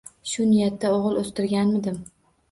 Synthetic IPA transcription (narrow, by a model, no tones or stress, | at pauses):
ʃʊnɪjat̪ːaoʁɨlˠost̪ɪɾɡʲanmɪd̪ɪm